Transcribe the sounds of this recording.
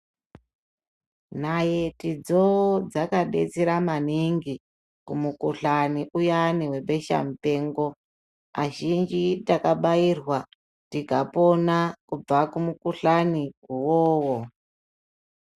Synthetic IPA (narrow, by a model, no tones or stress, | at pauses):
naje̞tid͡zod͡zakaɗḛt͡siɾamaniŋɡi | kumukuɬaniʔujaniwe̞ɓe̞ʃa̰mute̞ːŋɡo̞ | aʒind͡ʒitakaɓairwa | tikaponakub͡vakumukuɬaniuwoːwo